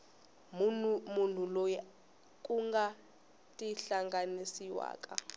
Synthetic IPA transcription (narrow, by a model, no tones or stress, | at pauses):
mun̤ulɔj | kʼuŋɡa | tʼiɬaŋɡanisiwa̰ːkʼa